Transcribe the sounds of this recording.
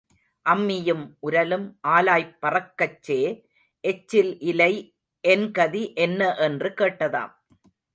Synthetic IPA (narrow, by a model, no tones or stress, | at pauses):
ʔɐmːɪjɯmʔʊɾɐlɯmʔaːlaːjpːɐrɐkːɐt͡ʃːeː | ʔɛt͡ʃːɪlʔɪlɐɪ | ʔɛnkɐðiʔɛnːɐʔɛndrɯkeːʈːɐða̰ːm